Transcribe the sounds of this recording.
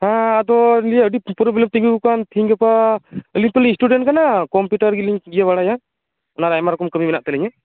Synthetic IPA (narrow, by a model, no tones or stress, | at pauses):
hãad̪ɔliəɖipɔɾɔblɛmt̪iŋɡuukant̪ʰiŋɡapaəliɲt̪ɔliɲsʈuɖɛɳʈkanakɔmpjuʈaɾɡiliɲɡijaβaɽaja | ɔnaɾajmaɾɔkɔmkəmimɛnaʔt̪ɛlɛɲɛ